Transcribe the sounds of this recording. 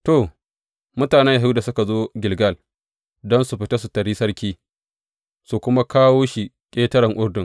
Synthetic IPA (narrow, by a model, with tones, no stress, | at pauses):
to˨ | mʊ˦taː˨nɛ˦ja˨ɦu˦da˨sʊ˦ka˨zoː˦ɡʲɪ˨lɡɐ˦˨l | dɔ˦nsu˨ɸɪ˦ta˦su˨tɐ˨ɾiː˦sɐ˦ɽkʲiː˦ | su˨kʷʊ˦ma˦kaː˦woː˦ʃi˨ | kʲʼeː˦tɐ˦ɾɐ˨ŋʔʊ˦ɾdʊ˨ŋ